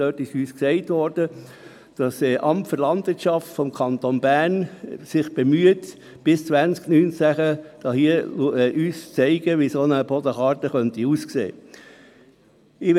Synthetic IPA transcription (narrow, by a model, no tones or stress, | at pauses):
d̥øːtɪʃyːsksɛɪtʋɔɾd̥ə | d̥ɑsɛʔɑmptfəɾlɑndʋɪɾtʃɑftfɔmkʰɑnt̪onbæːɾnsɪχb̥emyət | b̥ɪst͡sʋænsknynt͡sæχəd̥ɑhiəʔyːst͡sɛɪɡəʋisonəbɔdəχɑːɾtəχœntiuːsksḛː | ɪʋ